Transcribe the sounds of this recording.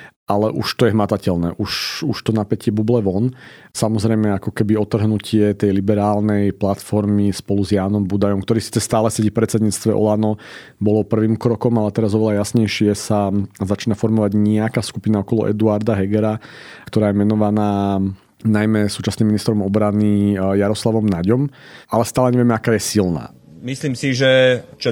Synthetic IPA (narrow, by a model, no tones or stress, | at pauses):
ʔalɛʔuʃt̪ɔjɛɦmat̪acɛlnɛ̰ːʔuʃuʃt̪ɔnapɛcɪɛbublɛʋɔnsamɔzɾɛjmɛakɔkɛbiɔt̪r̩ɦnucɪɛt̪ɛjlibɛɾaːlnɛjplat̪fɔɾmispɔluzjaːnɔmbud̪ajɔmkt̪ɔɾiːsi̥ːt͡sɛst̪aːlɛsɛɟifpɾɛt͡sɛd̪ɲiːt͡st̪ʋɛʔɔ̰lanɔ | bɔlɔpr̩ʋiːmkɾɔkɔmalɛt̪ɛɾazɔʋɛʎajasɲɛjʃɪɛsazat͡ʃiːnafɔɾmɔʋaɟɲɛakaːskupinaɔkɔlɔ̰ʔɛ̰d̪uaɾd̪aɦɛɡɛɾakt̪ɔɾaːjɛmɛnɔʋanaː | najmɛsuːt͡ʃasniːminist̪ɾɔmɔbɾanijaɾɔslaʋɔmnaɟɔmalɛst̪aːlɛɲɛʋɛmɛakaːjɛsilna̰ː | misliːmsiʒɛt͡ʃ